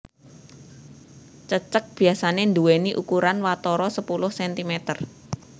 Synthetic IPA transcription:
t͡ʃət͡ʃək̚b̥i̤asanend̪uweniʔukuɾanwat̪ɔɾɔsəpulʊhsɛnt̪imet̪ər

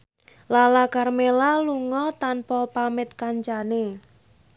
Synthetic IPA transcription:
lalakarmelaluŋɔt̪anpɔpamɪt̪̚kaɲt͡ʃane

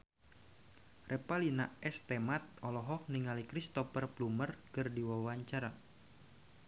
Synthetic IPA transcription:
rʔɛpalinaɛst̪ɛmat̪̚ɔlɔɦɔk̚niŋalikɾist̪ɔfərplumərkərdiwawaɲt͡ʃaɾa

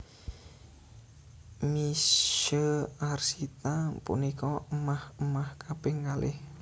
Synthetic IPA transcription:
miʃəarsit̪apṵnikɔəmahəmahkab̥eŋkalɪ̰h

